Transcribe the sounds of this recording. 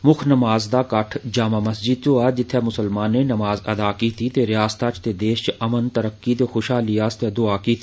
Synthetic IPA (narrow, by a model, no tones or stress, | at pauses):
mʊkʰnɐmaːzd̪aːkɐʈʰd͡ʒaːmamɐsd͡ʒɪd̪̚t̪oaːd͡ʒɪt̪ʰːɛmʊsəlmaːnːẽnɐmaːzɐ̰d̪aːkit̪ʰit̪eɾɪjaːst̪aːt͡ʃʰt̪ed̪eːʃt͡ʃɐmənt̪əɾəkːit̪exʊʃɦaːlijaːst̪ed̪ʊaːkit̪ʰ